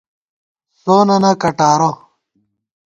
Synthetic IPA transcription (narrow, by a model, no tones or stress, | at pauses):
soːnɐnɐkɐʈaːɾo